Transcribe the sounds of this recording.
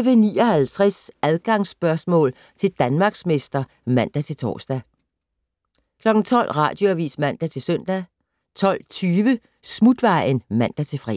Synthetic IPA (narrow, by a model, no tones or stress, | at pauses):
ʋənḭːɒ̽hælt͡sʰʁɛsæðˠɡ̥ɑ̈ŋsb̥ɶɐsmɔ̰̽ːl | t͡sʰe̝ld̥ænmɑ̈ːɡ̥sme̝sd̥ɐ | mæn̰d̥æt͡sʰe̝lt͡sʰɒ̰ːsd̥æ | kʰlɒ̽ɡ̥n̩t͡sʰɒ̽l̰ʁɑ̰̈ːd̥joæʋḭːsmæn̰d̥æt͡sʰe̝lsøn̰d̥æ | t͡sʰɒ̽l̰t͡sʰyːʋə | smud̥ʋɑ̈ɪnmæn̰d̥æt͡sʰe̝fʁɛ̰